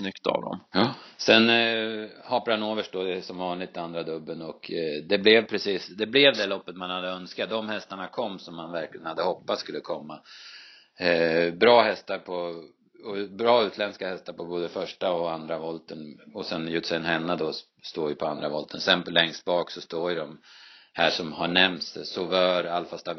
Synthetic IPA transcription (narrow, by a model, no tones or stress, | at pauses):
snʏkt̪a̰vd̪ɔ̰msɛn | hɑːpaɾanoːvəʂʈd̪ɔd̪ɛsɔmvɑːɳlɪt̪and̪ɾad̪ɵbːənɔkd̪ɛblɛvpʰɾɛsiːsd̪ɛblɛvd̪ɛlɔpːət̪manhad̪ːəœnskat̪̚d̪ɔmhɛst̪aɳakʰɔmːsɔmːanvæɾklɪɡənhad̪ːəhɔpːat̪skɵlːəkʰɔmːa | bɾɑːhɛst̪aɾpʰɔ | ɔbɾɑːʉ̟ːt̪lɛnskahɛst̪aɾpʰɔboːd̪əfœʂʈaɔand̪ɾavɔlt̪ənɔsɛnjʉːt̪ːsɛənɦɛnːad̪ɔ | st̪oːvjəpʰɔand̪ɾavɔlt̪ʰənsɛnplɛŋst̪̚bɑːksɔst̪oːɾjd̪ɔmhæːʂɔmhaɳɛmt̪ssɔvœːɾalfast̪a